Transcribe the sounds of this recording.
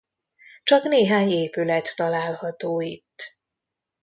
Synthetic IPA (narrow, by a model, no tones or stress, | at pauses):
t͡ʃɒkneːɦaːɲeːpylɛt̪ːɒlaːlhɒt̪oːit̪ː